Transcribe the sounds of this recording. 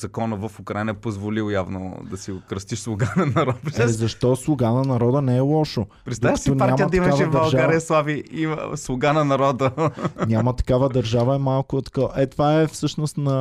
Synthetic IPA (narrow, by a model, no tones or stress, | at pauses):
zɐkɔnəvəfʊkɾainəpozvolilˠjavno̰d̪ɐsiʊkɾəst̪iʃslˠʊɡanɐnɐɾɔt̪pzɐʃt̪ɔslˠʊɡanɐnɐɾɔd̪ənɛɛlˠɔʃo | pɾɛt̪aj̪onaɾamijətd̪ɐimkɐaʃvɛvd̪ɐbɐɾlˠʒaaɾiɐslˠaviislˠʊɡanɐnɐɾɔd̪əɲʲamət̪ɐ̥kavəd̪ɐɾʒavɐɛmalˠkʊt̪koʔɛt̪vaɛfsɤʃnost̪nɐ